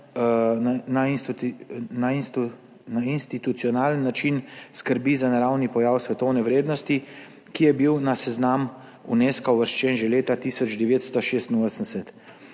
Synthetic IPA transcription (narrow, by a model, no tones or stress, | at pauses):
anains | nains | nainst̪it̪ut̪sijɔnaːlənːat͡ʃinskəɾbizanaɾawnipɔjawsʋɛt̪ɔwnɛʋɾeːd̪nɔst̪i | kijɛbiwnasɛznam | uneskawʋəɾʃt͡ʃɛnʒɛleːt̪at̪iːsɔd͡ʒd̪ɛʋeːt̪st̪ɔʃeːst̪inoːsən̩sɛt̪